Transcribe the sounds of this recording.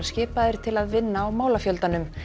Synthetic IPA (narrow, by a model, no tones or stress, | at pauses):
scɪːpaðɪɾ̥t̪ʰɪlaðvɪnːaːwmaːwlafjœlt̪anʏm